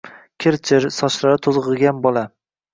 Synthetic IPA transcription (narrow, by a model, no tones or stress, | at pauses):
kʲʰɪɾt͡ʃʰɪɾsɒʃlaɾɪt̪ʰozʁɨɡʲanbɒlˠa